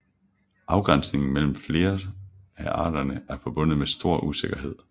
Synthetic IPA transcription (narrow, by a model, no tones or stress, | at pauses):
ʔɑ̈ʊɡ̥ʁan̰sne̝ŋn̩mel̰m̩fle̝ːɐæʔɑ̰̈ːɾɐnəæɐfɒ̽b̥ɔ̽n̰ð̩ˠmesd̥o̝ɐ̰ʔuse̝ɡ̥ɐɦe̝ð̞̰ˠ